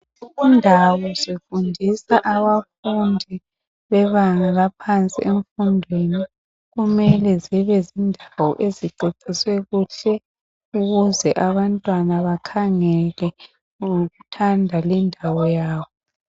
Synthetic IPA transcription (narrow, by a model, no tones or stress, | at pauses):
uɣundʱawɔsifundʱisaʔaβafundʱi | βɛβaŋaɣapʰant͡sʼḭeɱfundʱweni | ɣumɛlɛziβɛzindʱawɔ̰ʔeziǀiǀiswɛɣuɬɛ | uɣuzɛʔaβantʼwanaβakʰaŋɛlɛ | ɣutʰandʱalindʱawɔjaːβɔ